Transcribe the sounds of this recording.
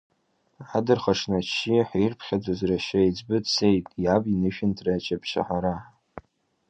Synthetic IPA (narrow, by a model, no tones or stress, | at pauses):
adɨrχaʂnat͡ʃʰiħirpʰχʲad͡zazraʃajd͡zbɨdsejtʼjabinɨʃᶣɪntʰrat͡ʃʰapʰʃa̰ħaɾa